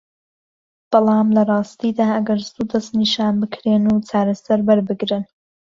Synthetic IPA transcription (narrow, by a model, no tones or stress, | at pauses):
b̥ɑlˠɑːmlɐrˤɑːst̪iːd̪aːʔɐɡɐɾst̪ud̪ɐst̪niʃaːnbɨkʰɾeːnut͡saːɾɐsɐɾbɐɾbɨɡɾɨn